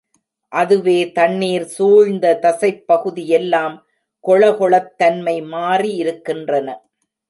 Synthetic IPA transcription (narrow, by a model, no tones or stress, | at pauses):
ʔɐðɯʋeːt̪ɐnːiːɾsuːɻnd̪ɐt̪ɐsɐɪpːɐɣɯðɪjɛlːaːm | kɔɭɐɣɔɭɐt̪ːɐnmɐɪmaːriɪɾɯkːɪndrɐnɐ